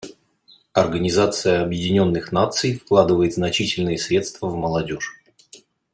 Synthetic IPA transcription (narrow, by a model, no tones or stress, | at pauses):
ɐrɡənʲɪzat̪sɨjəɐbjɪdʲɪnʲo̞nːɨxnat̪sɨjfklˠad̪ɨvəjɪt̪znɐt͡ɕitʲɪlʲnɨjəsɾʲe̞t̪st̪vəvməlˠɐdʲo̞ʂ